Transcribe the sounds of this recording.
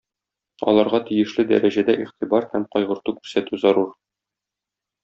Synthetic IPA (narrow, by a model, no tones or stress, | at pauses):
ɒ̰lˠɑɾʁɑt̪ijɘ̆ʃlɘd̪æ̰ɾæʑæd̪æʔiχt̪ibɑɾhæmqɒjʁɤ̆ɾt̪ukʉɾsæt̪ʉzɒɾuɾ